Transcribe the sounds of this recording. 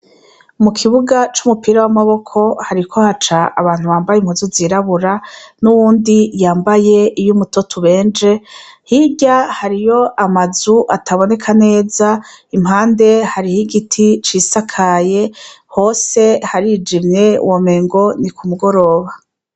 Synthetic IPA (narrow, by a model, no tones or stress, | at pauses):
mukʰiβuɡat͡ʃumupiːɾawamaβo̞kʰo̞haɾikʰo̞hat͡ʃaaβaːn̥huβaːmbajimhuzuziɾaβuɾanuβuːndijaːmbaje̞ijumutotʰuβe̞ːnd͡ʒe̞hiɟahaɾijo̞ʔamazuʔatʰaβo̞ne̞kʰane̞ːzaim̥haːnde̞haɾihiɡitʰit͡ʃiːsakʰaje̞ | ho̞ːse̞haɾid͡ʒimɲe̞̰wʔome̞ːŋɡo̞nikʰumuɡo̞ɾo̞ːβa